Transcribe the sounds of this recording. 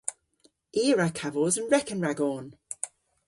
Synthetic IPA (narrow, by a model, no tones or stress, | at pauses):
iːɹakʰavɔzə̃nɹɛkə̃nɹaɡɔːn